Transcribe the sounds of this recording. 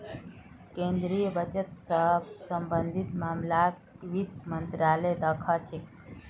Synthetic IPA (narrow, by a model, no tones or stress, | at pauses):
kẽnd̪ɾijəbət͡ʃət̪səɦbsəmbənd̪ʱit̪maːmla | ʋid̪mənt̪ɾaləjd̪əkʰat͡ʃʰek